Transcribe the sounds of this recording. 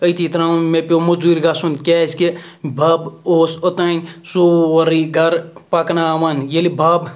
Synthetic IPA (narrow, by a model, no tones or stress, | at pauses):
əjt̪it̪ɾãmepʲomud͡zuɾʲɡasund̪kʲeskebʱɐboːsot̪aːnʲsoɐɾiɡɐɾpaknaʋaːnjelibʱaːb